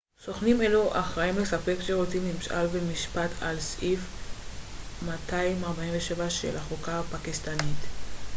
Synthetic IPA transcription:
so̞χnimeluʔaχʁaimlesape̞kʃeʁot͡simimʃʔa̰lbemiʃpat̪ʰalsʔif | matʰaimaʁbaimveʃevaʃḛlaχokapakist̪anit̪

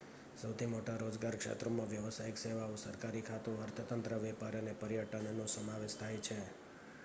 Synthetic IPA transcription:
səwt̪ʰimoʈaɾod͡ʒɡaɾkʂḛt̪ɾomãʋjəʋəsaɪkseʋaũsəɾkaɾikʰat̪uəɾt̪ʰət̪ənt̪ɾəʋɛpaɾənepəɾijəʈənnũsəmaʋeʃt̪ʰajt͡ʃʰe

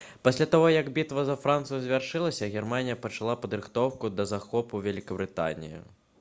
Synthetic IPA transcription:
pasʲlʲat̪aɣɔjɐɡbʲit̪vɐzɐfɾant̪sɨjuzʲvʲarʂɨlˠɐsʲɐɣʲɛrmanʲijɐpɐt͡ʂalˠapɐd̪ɾɨxt̪ɔwkud̪ɐzaxɔpuvʲɛlʲikɐbɾɨt̪a̰nʲḭjḭ

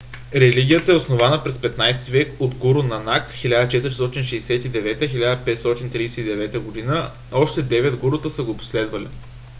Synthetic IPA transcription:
ɾɛliɡʲijət̪əɛʊsnovanəpɾɛspɛt̪najst̪ivɛkod̪ɡuɾʊnɐnakxilʲad̪ət͡ʃɛt̪əɾist̪ɔt̪inʃɛjsɛt̪id̪ɛvɛt̪əxilʲad̪əpɛt̪st̪ɔt̪int̪ɾijsɛt̪id̪ɛvɛt̪əɡod̪inə | ɔʃt̪ɛd̪ɛvɛd̪ɡuɾʊt̪əsəɡopo̥slɛd̪vɐlḭ

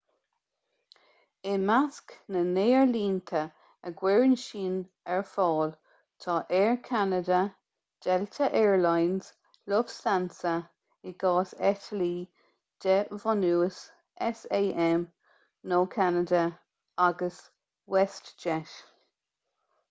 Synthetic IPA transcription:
ɪnmasknəneːəɹliːnt̪ʰə | əɡwɛɹənʃiːn | ɛɹfɔːl | t̪ʰɑːʔɛːɹkʰanədə | d̥ɛltʰəʔɛːɹlajnz̥ | lʊv̥stansə | ɪɡ̥ɑːsɛtʰəliː | d̪̥ɛvɔnuːəs | ʔɛseːʔɛm | noːkʰanədə | aɡəs | wɛstd͡ʒɛʃ

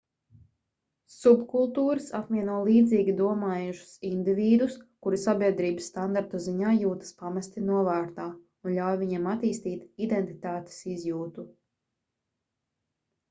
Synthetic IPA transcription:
subkulˠt̪uːɾɨsapmʲiɛnuɔlˠiːd̪ziːɡʲid̪uɔmaːjuʃu̥sind̪iviːd̪uskuɾisabʲiɛd̪ɾiːbɨsːt̪and̪aɾt̪uziɲaːjuːt̪ɐ̥spamast̪inuɔvæːɾt̪aː | unʎʲawjviɲamat̪iːst̪iːt̪id̪ent̪i̥t̪aːt̪e̥sizjuːt̪u

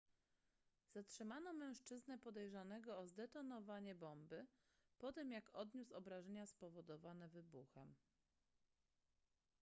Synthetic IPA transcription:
z̥atʂɘmanɔmɛ̃w̃ʂt͡ʂɘznɛpɔd̪ɛjʐanɛɡɔːzd̪ɛt̪ɔnɔvaɲɛbɔmbɘ | pɔt̪ɛmjakɔd̪ɲusɔbɾaʐɛɲaspɔvɔd̪ɔvanɛvɘbuxɛm

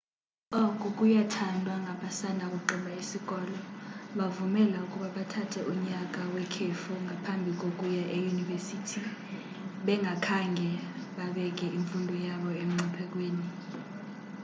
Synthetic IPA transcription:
ɔk̬ʼuk̬ʼujatʰandʱwaŋɡʱaɓasandʱak̬ʼuǃiɓaisikɔːlɔɓavumɛlaukʼuɓaɓatʰatʰɛʔuɲak̬ʼawɛkʰefuŋʱapʰambʱik̬ok̬ʼujaʔejunivesitʰi | ɓɛŋɡʱakʰaŋʱɛɓaɓɛk̬ɛʔiɱfundʱɔjaɓɔemiŋ͡ǀipʰɛk̬ʼweːni

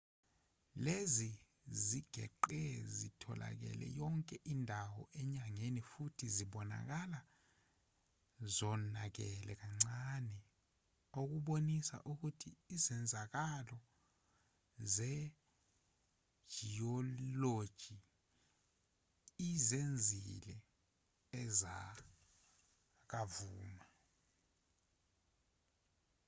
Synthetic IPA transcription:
lezi | ziɡ̥ʱɛǃɛzitʰɔlʔa̰k̬ɛ̰lɛ̰jɔŋkʼɛʔindʱawɔ̰ʔɛɲaŋenifutʰiziɓɔna̰k̬ala | zɔnak̬ɛlɛk̬aŋ͡ǀanɛ | ok̬uɓonisa̰ʔuk̬utʰiːzɛnd͡zʱak̬alɔ | zɛ | ʒ̥ʱiɔlod̥ʒ̥ʱi | izend͡zʱilɛ | ɛza | k̬avuːma

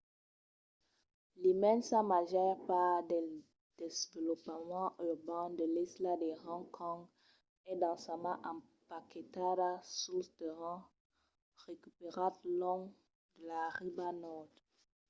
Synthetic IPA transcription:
limɛnsamaʒɛʁpaʁd̪ɛ | d̥ezvəlɔpmɑ̃ʔyʁbãd̪əlɛslad̪eʁɑ̃ŋkʰɔ̃ŋɡ | ɛd̪ɑ̃samãʔɑ̃paket̪aɾasult̪əʁɑ̃ | ʁekypeʁat̪lɔ̃ŋ | d̪̥əlaʁibanɔd̪

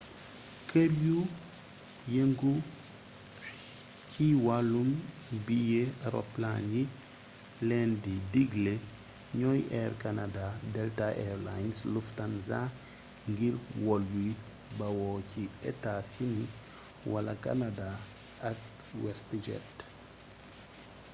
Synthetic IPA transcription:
kəbju | jeŋɡu | cʰiwalum | bijeaɾɔ̰planji | lɛndidiɡle | ɲɔjɛːrkanadadɛltaʔɛɾla̰jnsluftanza | ŋɡiɾwɔljuj | bɐwɔːciɛ̰tasini | wɐlɐka̰nada | ɐk̚ | wɛstd͡ʒɛ̰t

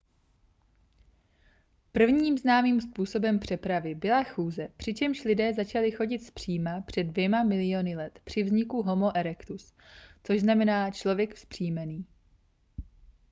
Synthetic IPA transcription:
pr̩vɲiːmznaːmiːmspuːso̞bɛmpr̝̥ɛpɾavɪbɪlaxuːzɛpr̝̥ɪt͡ʃɛmʃlɪdɛːzat͡ʃalɪxo̞ɟɪt̪spr̝̥iːmapr̝̥ɛdvjɛmamɪlɪjonɪlɛt̪pr̝̥ɪvzɲɪkuɦo̞mo̞ʔɛɾɛkt̪us | t͡so̞ʒznamɛnaːt͡ʃlo̞vjɛkfspr̝̥iːmɛniː

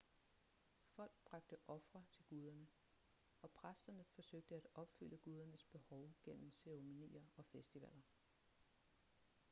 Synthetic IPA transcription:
fɒ̽l̰ɡ̥̚b̥ʁɑ̈ɡ̥̚d̥əʔɒ̽fʁɐt͡sʰe̝lɡ̥uð̞ˠɐnə | ɒ̽pʰʁasd̥ɐnəfɒ̽søɡ̥̚d̥əæd̥ɒ̽b̥fyl̰əɡ̥uːð̞ˠɐnəsb̥e̝hɒʊɡ̥en̰m̩seo̝minḭːɐɒ̽fesd̥iʋæ̰l̰ɐ

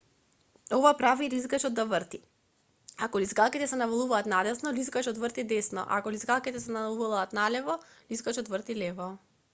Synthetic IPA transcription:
ovapɾavilizɡaʃɔd̪d̪avɾt̪i | akɔlizɡalˠkit̪ɛsɛnavalˠuvaːt̪nad̪ɛsnɔlizɡaʃɔt̪vərt̪id̪ɛsnɔ̰ʔa̰kɔlizɡalˠkit̪ɛsɛnalˠuulˠaːt̪nalɛvɔ | lizɡaʃɔt̪vrɾt̪ilɛvɔ

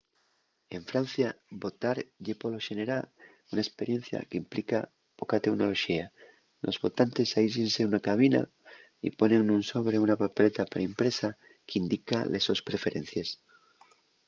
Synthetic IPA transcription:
e̞ɱfɾan̟θjabo̞t̪aɾʝepoloʃeneɾa | unaespe̞ɾje̞n̟θja̰keimplika | po̞kat̪e̞kno̞lo̞ʃia | lʔo̞zβo̞t̪ant̪esaiʃenseunakaβ̞ina̰ | ḭpo̞ne̞ŋnũnso̞βɾe̞unapapelet̪apaɾaimpɾe̞sa | keind̪ikalʔeso̞spɾe̞fe̞ɾʔe̞n̟θjes

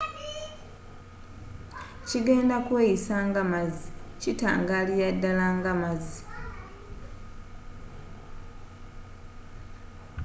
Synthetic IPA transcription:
ciɡe̞ːndakwejisaŋɡamazicita̰ːŋɡaːlijadːalaŋɡamazi

